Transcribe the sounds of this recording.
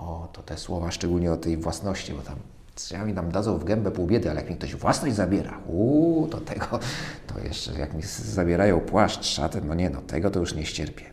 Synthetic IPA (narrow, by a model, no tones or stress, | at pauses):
ɔt̪ɔt̪ɛswɔvaʂt͡ʂɛɡulɲɛɔt̪ɛjvwasnɔɕt͡ɕibɔt̪am | sɔjamʲit̪amd̪ad̪zɔ̃w̃vɡɛmbɛpuwbʲjɛd̪ɘalɛjakmʲikt̪ɔɕvwasnɔʑd͡ʑʲzabʲjɛɾa̰xut̪ɔt̪ʰɛɡɔt̪ɔ̰jɛ̰ʂt͡ʂɛ̰ja̰kmʲizabʲjɛɾajɔ̃w̃pwaʂtʂa̰t̪ɛnɔɲɛnɔt̪ʰɛ̰ɡɔt̪ɔjuʂɲɛɕt͡ɕɛɾpʲjɛ